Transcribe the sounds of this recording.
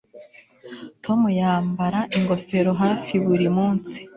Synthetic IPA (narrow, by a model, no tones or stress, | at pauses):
tʰo̞mujaːmbaɾaʔiŋɡo̞fe̞ɾo̞ɦaːfiβuɾimuːnsi̥